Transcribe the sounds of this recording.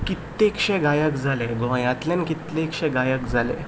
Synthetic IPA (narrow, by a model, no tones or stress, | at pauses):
kit̪ːekʂɛ̃ɡajəkd͡zʱaleɡõjãt̪lẽnkit̪lekʂɛ̃ɡajəkd͡zʱalḛ